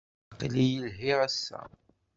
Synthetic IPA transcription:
qlijəlɦiʁæsːæ̰

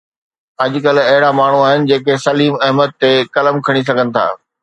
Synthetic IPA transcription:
ɐʄkɐlɐɦɪɽamaːɳ̤uaːɦɪnɪ̆d͡ʑeːkesɐliːmɐɦməd̪̚t̪ekɐləmkʰɐɽ̃is̬ɐɡʱənɪ̆t̪ʰa̰ː

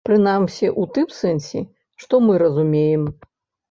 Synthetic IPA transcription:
pɾɨnamsʲiʔut̪ɨmsɛnsʲḭ | ʂt̪ɔmɨɾɐzumʲejɛm

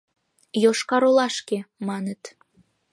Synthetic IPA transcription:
joʃkɑɾolɑʃkemɑnət̪

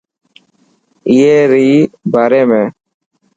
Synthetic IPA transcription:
ɪjeːɾiːbaːɾeːmẽː

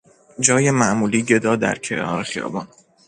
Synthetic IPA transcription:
d͡ʒɒːjemæʔmuːliːɟe̞d̪ɒːd̪æ̰ɾcʰenɒ̰ːɾexijɒ̰ːbɒːn

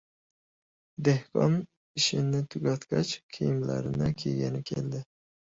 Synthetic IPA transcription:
d̪ehqɑ̰n | iʃɪnɪt̪ʰuɡʲɑt̪kʲɑt͡ʃqʲʰijmlæ̰ɾɪnɪkʲʰeɡʲɛnɪkʲʰḛld̪ɪ

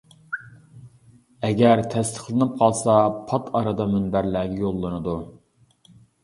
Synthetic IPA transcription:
ɛɡʲɛɾt̪ʰɛst̪ʰə̥χlˠɨnɨp̚qʰɑlˠsɑpʰɑt̪ʰɑɾɑd̪ɑmynbæɾlæːɡʲɛjolˠːɨnɨd̪u

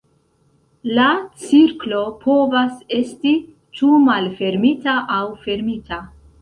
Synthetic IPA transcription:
lat͡siɾklo̞pʰo̞vase̞sti | t͡ʃumalfe̞ɾmitaʔawfe̞ɾmita

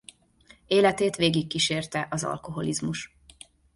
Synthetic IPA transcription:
eːlɛt̪eːt̪ʋeːɡikːiʃeːrt̪ɛʔɒzɒ̰lko̞ɦo̞lizmuʃ

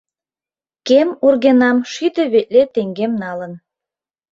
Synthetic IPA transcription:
kemurɣenɑmʃyt̪ĕβeʔ̚ʲlet̪eŋɡemnɑlə̆n

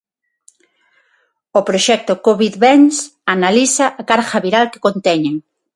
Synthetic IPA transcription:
opɾoʃɛk̚t̪okoβiðβɛnsanalisaʔakaɾʝaβiɾalke̥kõnt̪ɛɲeŋ

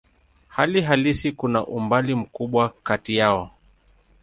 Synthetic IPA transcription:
haliɦalisikunaʔumbalim̩kuɓwakatijaɔ

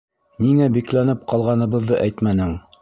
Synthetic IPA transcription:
niŋæbiklænɘp̚qʰɑlˠʁɑnɤ̆βɤ̆ðːɤʔæjt̪mænɘŋ

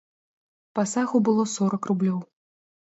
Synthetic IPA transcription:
pasaɣubɨlˠɔsɔɾɐkrublʲɔw

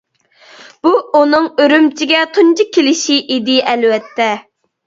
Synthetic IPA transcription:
b̥uunɨŋøɾymt͡ʃʰiɡʲɛt̪ʰunt͡ʃikʲʰelɪʃiʔid̪ɪʔɛlwɛt̪ʰːɛ

